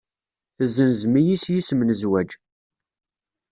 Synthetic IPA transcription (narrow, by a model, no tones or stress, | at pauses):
θəzːənzmijisjismənəzwæd͡ʒ